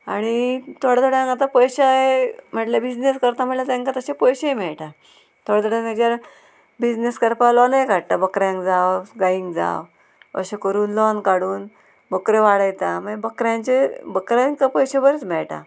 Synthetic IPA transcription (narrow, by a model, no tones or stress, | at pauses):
a̰ɽ̃it̪ʰɔɽd̪ɔɽãŋkat̪̬apəjɕaɦem̤əʈljabid͡ʑneskəɾt̪am̤əʈlat̪ɛ̃ŋkat̪əɕepəjɕeemɛɭʈa | t̪ʰoɽd̪ɔɽãŋad͡ʑjaɾ | bid͡ʑneskəɾpalɔnajkaɽt̪abəkɾjãŋkd͡zawɡaiŋɡd͡za̰w | ə̰ɕekəɾuːnlɔnkaɽuːn | bəkɾeʋaɽəjt̪aməbəkɾjãnt͡ɕebəkɾãŋkapəjɕebəɾit͡smɛɭʈa̰